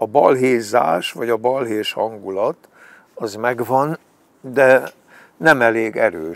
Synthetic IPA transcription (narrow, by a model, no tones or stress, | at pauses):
ɒbɒlɦeːza̰ːʃʋɒɟɒbɒlɦeːʃhɒ̰ŋɡulɒt̪ | ɒzmɛɡvɒn | d̪ɛ | nɛmɛleːɡɛɾøː